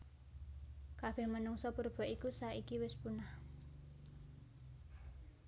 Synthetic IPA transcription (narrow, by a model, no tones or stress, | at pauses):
kab̥ɛhmənuŋsɔpurb̥ɔ̤ʔikusaikiwɪspunah